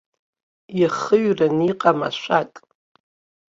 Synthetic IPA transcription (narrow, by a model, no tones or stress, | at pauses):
jiχəɥraniqʼama̰ʃʷatʼ